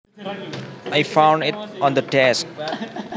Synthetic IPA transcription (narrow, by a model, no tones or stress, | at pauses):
ajfãʊ̃ɳɖɪʈɔ̃nd̪əʈɛsk̚